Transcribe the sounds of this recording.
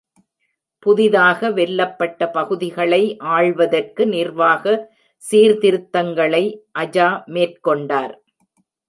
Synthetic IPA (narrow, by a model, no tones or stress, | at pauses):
pʊðɪðaːɣɐʋɛlːɐpːɐʈːɐpɐɣɯðɪɣɐɭɐɪʔaːɻʋɐðɐrkɯnɪrʋaːɣɐ | siːɾt̪ɪɾɯt̪ːɐŋɡɐɭɐɪʔɐd͡ʒaːmeːrkɔɳɖaːɾ